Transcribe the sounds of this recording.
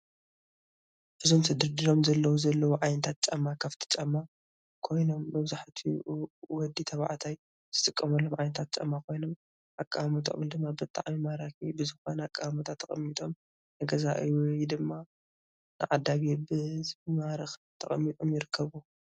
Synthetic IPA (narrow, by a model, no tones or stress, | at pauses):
ʔɨzo̞msʰɨd̪ɨɾd̪iɾo̞mzɐlːɐwuzɐlːɐwuʕajnɐt̪ʰat̪̚t͡ʃʼɐmːakʰaft̪ʰi̥t͡ʃʼɐmːa | kʰo̞jno̞mːɐβzaħt̪ʰiwɔd̪ːit̪ʰɐβa̰ʕt̪ʰaj | z̥ɨt̪ʼɨkʼːɐmɐlːo̞mʕajnɐt̪ʰat̪̚t͡ʃʼɐmːakʰo̞jno̞m | ʔakʼːamut̪ʰɐ̰mld̪ɨmːabɨt̪ʼːa̰ʕmimaɾakʰibɨzɨxo̞nɐakʼːamut̪ʰat̪ʰːɐχʼɐmːit̪ʼom | nɨɡɐzaʔɨjjd̪ɨmːa | nɨ̰ʕad̪ːaβebɨmaɾɨxt̪ʰɐχʼɐmːit̪ʼomjɪɾɨkʰːɐβu